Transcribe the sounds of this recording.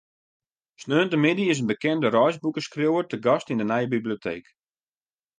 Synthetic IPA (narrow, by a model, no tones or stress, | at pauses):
snøːntəmɪdiɪs̬ənbəkɛndəɾɔjzbukəskrjowərtəɡɑstindənɛjəbiblijotʰeːk